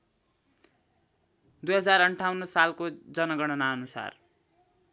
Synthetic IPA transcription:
d̪ujɦʌd͡zarʌɳʈʰawnːʌsalkod͡zʌnʌɡʌɽ̃ʌnaʌnusa̰r

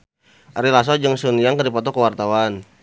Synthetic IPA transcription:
ʔaɾilas̬ɔd͡ʒəŋsuniaŋkədipɔt̪ɔkəwart̪awan

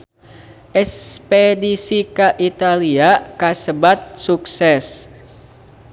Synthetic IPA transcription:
ʔɛspedisikaʔit̪aliakasəbat̪̚suksɛs

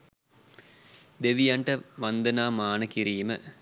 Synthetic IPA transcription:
d̪eʋijaɳʈəʋand̪ənaːmaːnəkiɾiːmə

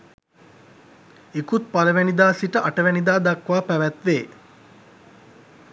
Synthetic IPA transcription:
ekut̪̚paləʋænid̪aːsiʈəʔaʈəʋænid̪aːd̪akʋaːpæʋæt̪ʋeː

